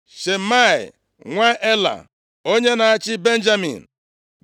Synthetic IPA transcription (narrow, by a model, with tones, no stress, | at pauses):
ʃe˨ma˦˨ɪ̰˨ | ŋʷa˦ʔe˦la̰˨ | o˦ɲe˦na˨a˦t͡ʃɪ˦be˦n̩˦d͡ʒa˦mḭ˨n̩˨